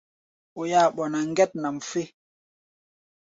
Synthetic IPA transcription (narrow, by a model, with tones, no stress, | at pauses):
o˨jaː˦˨ɓɔ˨na˨ŋ˦ɡɛ˦t̚na˨m˨fe˦